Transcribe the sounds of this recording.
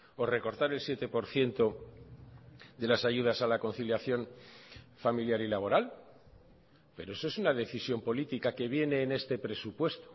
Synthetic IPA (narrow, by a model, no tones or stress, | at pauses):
o̞re̞ko̞ɾt̪aɾe̞lsje̞t̪e̞po̞ɾθje̞nt̪o̞ | ðe̞lasaʝuð̞asalako̞nθiljaθjo̞ɱ | familjaɾilaβ̞o̞ɾal | pe̞ɾoe̞soe̞sunaðe̞θisjo̞mpo̞lit̪ikake̞β̞je̞ne̞ːne̞st̪e̞pɾe̞supwe̞st̪o̥